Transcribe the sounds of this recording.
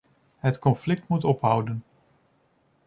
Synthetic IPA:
ɦətkɔnflɪk̚tmutɔpɦʌwdən

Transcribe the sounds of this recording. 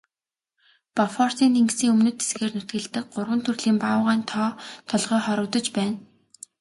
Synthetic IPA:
pafɔr̥siːnʰeŋksiːŋɵmnɵ̆t̪ːe̥sɡeːrnʊt̪ɡɘ̆ɮt̪ɘ̆k̚ɢʊrwə̆nt̪ʰɵrɮiːmpaːʊʁaːnt̪ʰɔːt̪ʰɔɮʁœːχɔɾɞ̆kt̪ɞ̆t͡ɕpæːn

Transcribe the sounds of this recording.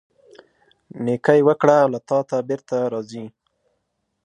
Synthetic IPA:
nekajwəkɽawlat̪ɑt̪abeɾt̪aɾɑzi

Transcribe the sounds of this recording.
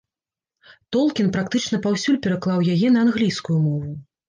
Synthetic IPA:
t̪ɔlˠkʲinpɾakt̪ɨt͡ʂnɐpawsʲulʲpʲɛɾaklˠawjajɛnɐanɣlʲijskujumɔvu

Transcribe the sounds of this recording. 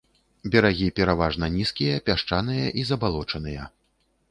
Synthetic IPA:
bʲɛɾaɣʲipʲɛɾavaʐnɐnʲiskʲijɐpʲaʂt͡ʂanɨjɐʔizɐbalˠɔt͡ʂɐn̪ɨjɐ̰

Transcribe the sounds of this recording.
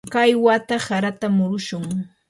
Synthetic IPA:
kajwat̪asaɾat̪amʊɾʊʃʊŋ

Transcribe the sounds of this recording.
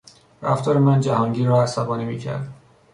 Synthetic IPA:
ɾæft̪ʰɒːɾemænd͡ʒæhɒːŋɟiːɾɒːæsæbɒːnimiːcʰæ̰ɾd̪

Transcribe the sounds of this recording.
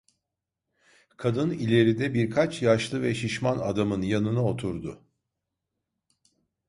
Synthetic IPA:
kʰad̪ɯnilʲe̞ɾid̪ɛbiɾkʰat͡ʃʰjaʃlˠɯvɛʃiʃmana̰d̪amɯnjanɯnao̞t̪ʰuɾd̪ʊ

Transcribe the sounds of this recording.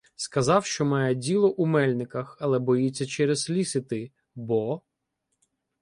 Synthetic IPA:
skɐzɑwʃt͡ʃɔmɑjɛdʲilˠɔʔumɛlʲnɪkɐxɐlˠɛbɔjit͡sʲːɐt͡ʃɛɾezlʲisɪt̪ɪ | bɔ

